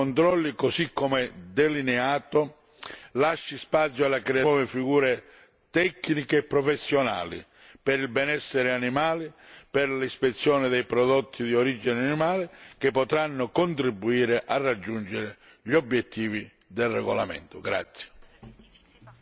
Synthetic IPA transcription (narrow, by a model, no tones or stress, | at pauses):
ont̪ɾɔlːikosikːomɛd̪elinɛaːt̪ʊ | laʃːispat̪sjɔalːakɾeaɔːvɪfiɣuːɾe | t̪ɛkːnikeːpːɾɔfesːjona̰ːlḭ | pɪɾilbɛnɛsːeɾɪanimaːlipɪɾlispet̪sːjɔːnɪd̪ɛjpɾɔd̪ɔt̪ʰːid̪ioɾid͡ʒineanimaːlɪk̟epːɔt̪ɾanːʊkont̪ɾibːuiːɾeʔarːad͡ʒːund͡ʒeɾɪ | ʎobːjɛt̪ʰːiːvi | d̪elrɛɣola̰mɛ̰nt̪ʊɡɾa̰t̪sːje̥